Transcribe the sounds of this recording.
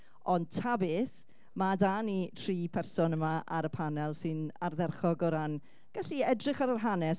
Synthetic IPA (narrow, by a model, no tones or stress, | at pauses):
ɔnd̚tʰabɪθ | madaːnitʰriːpʰɛrsɔnəmaʔaɾəpʰanɛlˠsɨnarðɛrχɔɡɔɾan | ɡ̥aɬiɛdrɪχaɾarɦanɛs